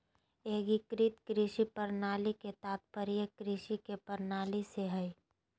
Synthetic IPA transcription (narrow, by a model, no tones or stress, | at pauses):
eːɡikɾit̪kɾɪʃipəɾnaːliket̪aːt̪̚pəɾijekɾɪʃikepəɾnaːliseɦəi